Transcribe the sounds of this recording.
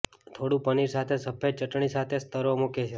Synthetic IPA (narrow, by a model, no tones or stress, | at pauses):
t̪ʰoɽũpəniɾsat̪ʰesəpʰet͡ʃəʈɳ̃isat̪ʰest̪ʰəɾomuket͡ʃʰe